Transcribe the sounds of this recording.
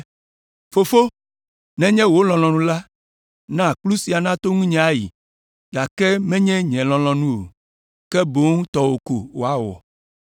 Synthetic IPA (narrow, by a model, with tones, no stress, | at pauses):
fo˨fo˦ | nɛ̃˦ɲɛ̃˦wo˦lɔ̃˨l̃ɔ̃˨nũ˦la˦ | nã˦˨k͡plu˦si˨a˨nã˦t̪o˦ŋũ˦ɲɛ̃˨a˦jḭ˨ | ɡa˨kɛ˦mɛ̃˦ɲɛ̃˦ɲɛ̃˨lɔ̃˨l̃ɔ̃˨nũ˦o̰˨ | kɛ˦bo˨˦ŋũ˦t̪ɔ˨wo˨ko˨wo˨a˦wɔ̰˨